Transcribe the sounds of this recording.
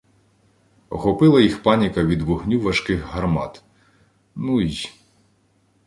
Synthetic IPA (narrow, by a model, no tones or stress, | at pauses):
ɔxɔpɪlˠɐjixpɑnʲikɐʋʲid̪ʋʊɦnʲuʋɐʃkɪxɦɐrmɑt̪ | nuij